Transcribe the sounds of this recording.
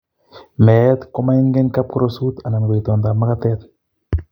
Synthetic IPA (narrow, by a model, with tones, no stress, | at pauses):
mɛt̪kɔ˦ma˦i˦ŋɡe˦ŋka˦p̚kuɾosu˦t̪a˨na˨nɡe˨it̪ɔ˨nd̪a˨ma˦kat̪ɛ˦t̪